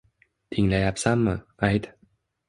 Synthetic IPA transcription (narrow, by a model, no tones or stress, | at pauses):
t̪ʰiŋlajapsamːəajt̪